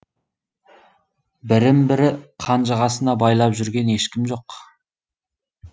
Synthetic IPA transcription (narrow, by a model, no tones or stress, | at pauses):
bɪɾɪmbɪɾɪqʰɑnʒɑʁɑsənɑbɑjlˠɑpʒʏɾɡʲe̞ne̞ʃkʲɪmʒo̞q